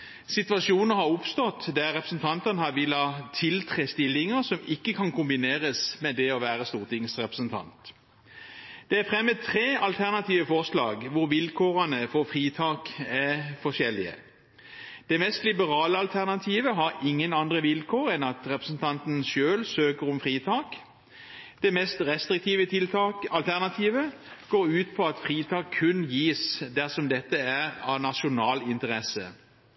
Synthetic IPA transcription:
sɪt̪ʋɑʃuːnəhɑʁʊpst̪ɔt̪d̪æʁːɛpʁəsn̩t̪ʰɑnt̪ənəhɑʋɪlːɑt̪ʰɪlt̪ʰʁeːst̪ɪlːɪŋəsɔmɪkːəkʰɑnkʰʊmbɪneːʁəsmɛd̪ɛɔʋæːʁəst̪uːʁt̪ʰɪŋsʁɛpʁəsn̩t̪ʰɑ̰nt̪ | d̪̥ɛæfʁɛmːət̪ʰʁeːɑlt̪ʰæʁnɑt̪ʰiːʋəfɔʁslɑ̰ːɡʋʊʁʋɪlkʰoːʁənəfɔfʁiːt̪ʰɑːkæfɔʂɛlːɪə̰ | d̪̥ɛmɛst̪lɪbəʁɑːləɑlt̪ʰæʁnɑt̪ʰiːʋəɦɑʁɪŋːənɑnd̪ʁəʋɪlkʰoːʁɛnɑt̪ʁɛpʁəsn̩t̪ʰɑnt̪n̩ʃøːlsøːkəʁɔmfʁiːt̪ʰɑːk | d̪̥ɛmɛst̪ʁɛst̪ʁɪk̚t̪ʰiːʋət̪ʰɪlt̪ɑɑlt̪ʰæʁnɑt̪ʰiːʋə | ɡ̥oːʁʉːt̪pʰɔɑt̪fʁiːt̪ʰɑːkʰːʉnjiːsd̪æʁsɔmd̪ɛt̪ːəæʁɑnɑʃʊnɑːlɪnt̪əʁɛsə

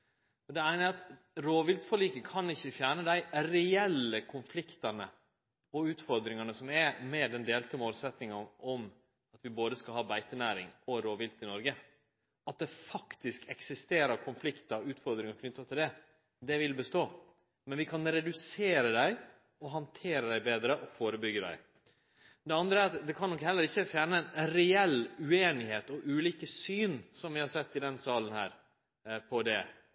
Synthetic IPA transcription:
ɔd̪ɛæɪnəɾɑt̪ | ɾoːʋɪlt̪fɔliːkəkʰɑnɪçːəfjæːɳəd̪æɪɾɛɛlːəkʰʊnflɪkt̪ɑnə̰ | ɔʉːt̪fɔɾd̪ɾɪŋɑnəsɔmɛmɛd̪ɛnd̪eːlt̪əmoːlsɛt̪nɪŋɑnɔm | ɑt̪ʋɪboːd̪əskɑlhɑːbæɪt̪ənæːɾɪ̰ŋɔɾoːʋɪlt̪ɪnɔɾɡə | ɑt̪̚d̪ɛfɑkt̪ɪskɛksɪst̪eːɾəɾkʰʊnflɪkt̪ɑɾʉːt̪fɔɾd̪ɾɪŋɑɾkʰnʏt̪ːət̪ʰɪld̪ɛ | d̪ɛʋɪlbəst̪oː | mɛnʋɪkʰɑnɾɛd̪ʉseːɾəd̪æɪ | ɔɦɑnt̪ʰeːɾəd̪æɪbeːd̪ɾəʔɔfoːɾəbʏɡːəd̪æ̰ɪ | d̪ɛɑnd̪ɾəæɾɑt̪d̪ɛkʰɑnːɔkhɛlːəɾɪçːəfjæːnəɛnɾɛɛlʉeːnɪheːt̪ɔʔʉːliːkəsyːnsɔmʋɪhɑɾsɛt̪ːɪd̪ɛnsɑːlənhæ̰ːɾ | pʰɔd̪ɛ

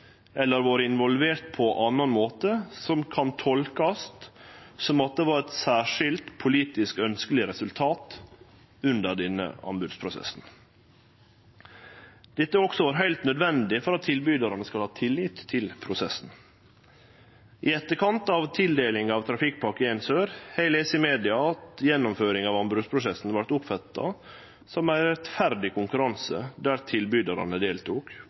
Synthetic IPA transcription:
ʔɛlːəɾʋɑːɾəɪnʋɔlʋeːɾt̪̚pʰɔʔɑnːɑnmoːt̪əsɔmkʰɑnt̪ʰɔlkɑst̪sɔmɑt̪̚d̪eʋɑːɾɛt̪sæːʂɪlt̪pʰʊliːt̪ɪskœnskəlɪɾɛsʉlt̪ʰɑːt̪ | ʉnd̪əɾɖɛnːə̰ɑ̰nbʉd̪spʰɾʊsɛ̰sn̩ | d̪̥ɛt̪ːəɔksɔʋɑːɾɦæɪlt̪nœd̪ʋɛnd̪ɪfɔɾɑt̪ʰːɪlbyːd̪əɾənəskɑlhɑːt̪ʰɪlːɪt̪ʰːɪlpʰɾʊsɛsn̩ | ʔɪɛt̪ːəɾkʰɑnt̪ɑʋt̪ʰɪld̪eːlɪŋɑːʋt̪ʰɾɑfɪkpʰɑɾkəɛɪnsøːɾhæɪleːsɪmeːd̪ɪɑɑt̪jɛnːʊmføːɾɪŋɑːʋɑnbɾʉd̪spʰɾʊsɛsn̩ʋɑɾt̪ʊpfɑt̪ːɑ̰ | sɔmæɪɾɛt̪fæɾd̪ɪkʰʊŋkʉɾɑnsə̰d̪æːɾt̪ʰɪlbyːd̪ɑɾɑ̰nəd̪eːlt̪uːk

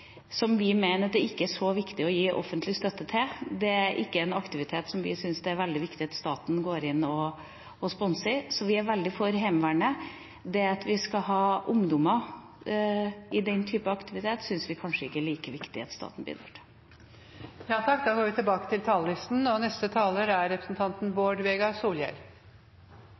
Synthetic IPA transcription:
sɔmʋɪmeɪnəɾɑt̪̚d̪ɛɪkːəæʂɔʋɪkt̪ɪɔjiːʔɔ̰fənt̪lɪst̪œt̪ːət̪ʰɪld̪ɛæɾʔɪkːəɛnɑkt̪ɪʋɪt̪ʰeːt̪sɔmʋɪ̰sʏnsd̪ɛæɾʋɛld̪ɪʋɪkt̪ɪɑt̪st̪ɑːt̪n̩ɡoːɾɪnːɔː | spɔnsəɾsɔʋɪæɾʋɛld̪ɪfɔɾɦɛmʋæːɳə | d̪ɛɑt̪ʋɪskɑɦɑːʔʊŋd̪ɔmə | ɪd̪ɛnt̪ʰyːpɑɑkt̪ɪʋɪt̪ʰeːt̪sʏnsʋɪkʰɑnʂəɪkːəæɭiːkəʋɪkt̪ɪɑt̪st̪ɑ̰ːt̪n̩bɪ̰ːd̪əʈʰ | jɑːt̪ʰɑk̚ːd̪ɑːɡoːɾʋɪt̪ɪlbɑːkə̥t̪ʰɪlt̪ʰɑːllɪst̪n̩ɔnɛst̪ət̪ʰɑːləɾæɾɾɛpɾə̥sn̩t̪ʰɑnt̪nboːɖʋeːɡɑsuːljæ̰ɾ

